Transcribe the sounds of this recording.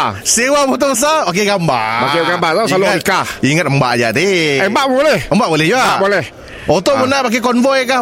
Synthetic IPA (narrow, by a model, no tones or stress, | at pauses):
sewabɔt̪ʊbəs̬aok̬eɡamba̰bakeɡambat̪aaloikaiŋət̪̚əmbaʔd͡ʒat̪iəbaʔbolɛhəmbaʔbolɛd͡ʒuaabolɛh | ot̪oʔbənapak̬ekɔnvɔjka